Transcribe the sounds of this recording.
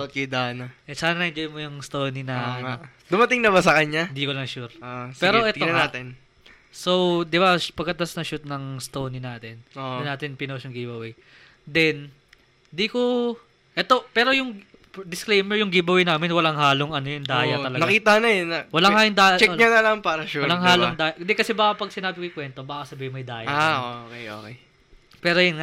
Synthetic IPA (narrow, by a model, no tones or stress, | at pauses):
ot̪̚kɛd̪aːnɐʔɛsaːnɐnɐʔɪnd͡ʒɐjmojʊŋst̪oːninɐɐno | d̪ʊmɐt̪ɪŋnɐbasɐkɐɲaɪnd̪ikolɐŋʃuɾopɛːɾoʔɛt̪oɐnaːt̪ɛn | sowd̪ɪbapɐɡɐt̪ɐsnɐʃut̪̚nɐŋst̪oːninaːt̪ɛnoɐnaːt̪ɪnpɪnosjʊŋɡibɐwɛ | d̪ɛn | d̪iko | ʔɛt̪o̞pɛːɾo̞jʊŋ | d̪ɪsklejmɛɹjʊŋɡibɐwɛjnaːmɪnwɐlaŋɦaːloŋɐnojʊŋd̪aːjɐt̪ɐlɐɡnɐɡkiːt̪ɐnɐnɐwɐlahajʊŋd̪ajt͡ʃɛɲanɐlɐŋpaːɾɐʃuɐlaŋɦaːloŋd̪aːjɐd̪ɛkɐsɛbaːkɐpɐɡ̚sɪnaːbɪkʊjʊkwɛnt̪o̞baːɐkɐsɐbiːhɪmːɐjd̪aːjɐaokeoːkej | pɛːɾojɐnŋa